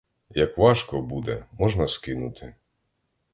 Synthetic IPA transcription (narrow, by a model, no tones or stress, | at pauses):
jɐkʋɑʃkɔbud̪ɛmɔʒnɐskɪnʊ̰t̪ʰɪ